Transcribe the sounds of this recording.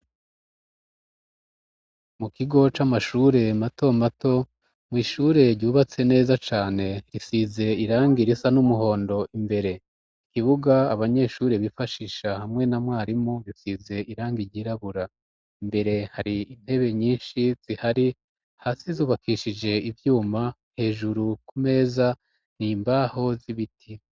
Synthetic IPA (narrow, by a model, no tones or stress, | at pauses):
mukiɡo̞t͡ʃamaʃuːɾe̞mato̞mato̞ | mwiːʃuːɾe̞ɾɟuːβat͡se̞ne̞ːzat͡ʃaːne̞ɾisize̞iɾaːŋɡiɾisanumuɦo̞ːndo̞ʔimbe̞ɾe̞ | ikiβuɡaːβaɲe̞ʃuːɾeβifaʃiːʃahamŋe̞namwaːɾimuβisize̞ʔiɾaːŋɡiɾɟiːɾaβuɾa | imbe̞ɾe̞haɾiin̥he̞βe̞ɲiːnʃiz̥ihaɾi | haːsizuːβakʰiʃid͡ʒe̞ivjuːma | he̞ːʒuɾukume̞ːza | niːmbaho̞ziβitʰi